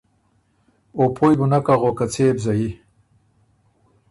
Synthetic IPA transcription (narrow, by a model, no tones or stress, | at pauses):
opʰojbunakaʁokat͡sʰeːbzaji